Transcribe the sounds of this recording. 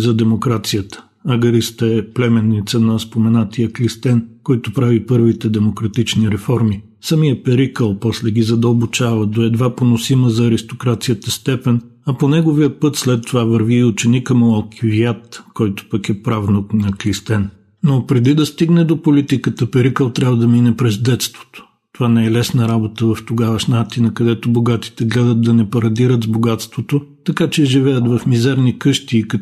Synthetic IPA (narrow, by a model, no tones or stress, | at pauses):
zɐd̪ɛmokɾat̪sijət̪ə̥ | ɐɡɐɾist̪ɛɛplɛmɛnːit̪sənɐspomɛnat̪ijəklist̪ɛnkɔjt̪ʊpɾavipɤɾvit̪ɛd̪ɛmokɾɐt̪it͡ʃniɾɛfɔɾmi | sɐmijəpɛɾikəlˠpɔslɛɡʲizɐd̪əlˠbot͡ʃavəd̪oɛd̪vaponosiməzɐːɾist̪okɾat̪sijət̪əst̪ɛpɛn | ɐponɛɡoviəpɤt̪slɛt̪ːovavəɾviːʊt͡ʃɛnikəmoɐlˠkʰʲiviat̪kɔjt̪o̥pəkɛpɾavnoknɐklist̪ɛn | nopɾɛd̪id̪ɐst̪iɡnɛd̪opolit̪ikət̪əpɛɾikəlˠt̪ɾʲabvəd̪ɐminɛpɾɛzd̪ɛt̪st̪vo̥t̪o̥ | t̪ovanɛɛlɛsnəɾabot̪əvɐft̪oɡavɐʃnat̪inəkɐd̪ɛt̪oboɡat̪i̥t̪ɛɡlɛd̪ət̪̚d̪ɐnɛpɐɾɐd̪iɾət̪zboɡat̪st̪vot̪ot̪ɐkat͡ʃɛʒivɛjət̪vɐfmizɛɾnikɤʃt̪iːk